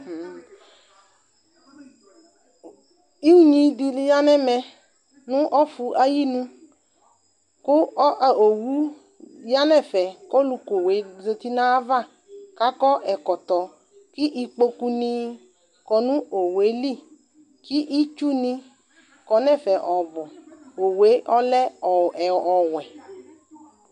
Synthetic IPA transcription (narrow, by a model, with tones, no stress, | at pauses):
i˦ɲĩ˨di˧li˦ja˦nɛ˦mɛ˧ | nũ˦ʔɔ˦fu˧ʔa˦ji˦nũ˦ | kʊ˦˨o˨wu˦ | ja˦nɛ˦˨fɛ˨kɔ˦lu˧ko˨we˨˦ze˧t̪i˦nã˦va˦˨ | ka˨˦kɔ˦ʔɛ˨kɔ˨t̪ɔ˨ | ki˦ʔi˧k͡po˧ku˦nĩ˦ | kɔ˨nũ˦o˨we˨˦li˦˨ | ki˦ʔi˦t͡ʃu˦nĩ˦ | kɔ˨nɛ˦˨fɛ˨ʔɔ˨bɔ˨o˨we˨˦ʔɔ˦lɛ˦˨ | ɔ˨wɛ˨